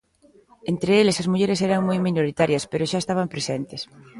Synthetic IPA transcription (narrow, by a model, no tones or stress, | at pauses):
ent̪ɾeelesɐzmuʎeɾesɛɾɐŋmojminoɾit̪aɾjɐspeɾʊʃaest̪aβ̞ɐmpɾesent̪ɪs